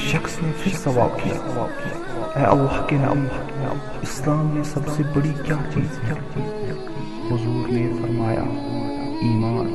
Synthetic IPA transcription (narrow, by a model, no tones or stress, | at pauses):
ʃɐxsnepʰɪɾsɐʋa̰ːb̚kija̰ɐʋa̰ːb̚kija̰ɛʔɐlːaɦkenḛʔɐk | ɪslaːmnesɐbsebɐɽikjãːt͡ʃiːzkiakiːkː | i | hʊzuːɾnefɐɾmaːja̰ | iːmaːn